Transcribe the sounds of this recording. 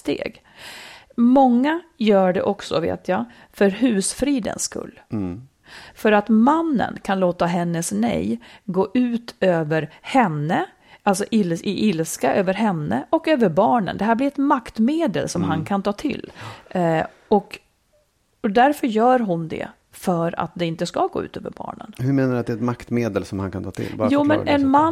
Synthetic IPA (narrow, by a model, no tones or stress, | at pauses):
st̪ḛːɡ | mɔŋːajœːɖɛ̰ʔɔksɔ̰vḛːt̪ʰja | fœɾhʉ̟ːsfɾiːd̪ə̰nskɵ̰lː | fœɾat̪manːə̰nkʰanloːt̪aɦɛnːəsnɛ̰jɡoːʔʉ̟ːt̪øːvəɾhɛnːə | alsɔʔɪlɪʔɪlskaʔøːvəɾɦɛnːə̰ʔɔkøːvəɾbɑːɳə̰nd̪ɛɦæːɾblɪɾɛt̪makt̪meːd̪ə̰lsɔmɦankʰant̪ʰɑːt̪ʰɪ̰lː | ɔk | ɔd̪æɾfœɾjœːɾɦʊnd̪ɛ̰ | fœɾa̰t̪̚d̪ɛɪnt̪əskaɡo̰ːʉ̟ːt̪ø̰ːvə̰ɾbɑ̰ːɳə̰nhɵɾmeːnadʉat̪d̪ɛɾɛt̪makt̪meːd̪əlsɔmha̰nkʰant̪ʰɑːt̪ʰɪ̰lbjuːmɛnʔɛnma